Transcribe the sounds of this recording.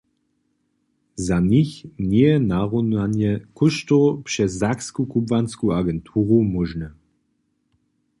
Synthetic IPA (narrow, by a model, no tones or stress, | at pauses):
zaniçnɛjɛnaʁɔnanjɛkʰʊʃtɔpʂɛzakskukubvanskuaɡɛntʰuːʁumɔʒnɛ